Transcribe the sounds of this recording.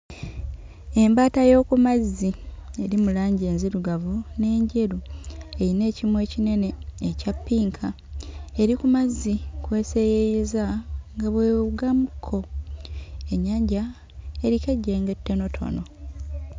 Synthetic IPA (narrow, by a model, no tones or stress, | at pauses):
e̞mbaːtajo̞ːkumazːie̞ɾimulaːɲɟe̞ːnziɾuɡavune̞ːɲɟe̞ɾue̞ɾine̞ːcimwe̞ːcine̞ne̞ːcapːiːŋkʰa | e̞ɾikumazːikwe̞ːse̞jejezaŋɡaβwe̞ːuɡamukʰːo̞ | e̞ɲːaːɲɟa | eɾikeɟːe̞ːŋɡe̞tːe̞no̞tʰo̞̰no̞